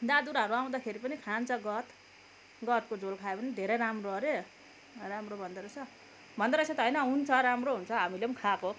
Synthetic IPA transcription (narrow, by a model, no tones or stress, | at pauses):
d̪ad̪uɾʌɾuaw̃d̪akʰeɾipʌnikʰant͡sʰʌɡʌt̪ | ɡʌt̪kod͡zolkʰaepʌnid̪ʱeɾejɾamroʌɾe | ramrobʱʌnd̪aɾʌt͡sʰʌ | bʱʌnd̪aɾʌt͡sʰʌt̪ɦʌjnʌɦunt͡sʰʌɾamroɦunt͡sʰʌɦamilemkʰako